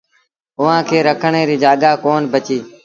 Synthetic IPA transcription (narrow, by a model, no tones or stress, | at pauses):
ʊʋãːkʰeːɾəkʰəɳeːɾiːd͡ʒaːɠaːkoːnbət͡ʃiː